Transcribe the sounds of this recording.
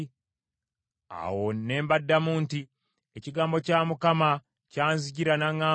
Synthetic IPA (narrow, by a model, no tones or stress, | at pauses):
a̰wonːe̞ːmbadːamuːnti | eciɡaːmbo̞caːmukama | caːnziɟiɾanaŋaː